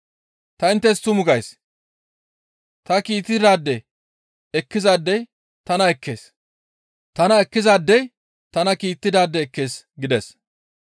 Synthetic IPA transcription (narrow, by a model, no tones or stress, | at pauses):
t̪ɐɪnt̪ːɛst̪ːʊmʊɡɐjs | t̪ɐkiːt̪ːɪd̪aːd̪ːɛ | ɛkːɪzaːd̪ːɛj | t̪ɐnɐɛkʰːe̞ːs | t̪ɐnɐɛkːɪzaːd̪ːɛj | t̪ɐnɐkiːt̪ːɪd̪aːd̪ːɛːkːe̞ːs | ɡɪd̪ɛs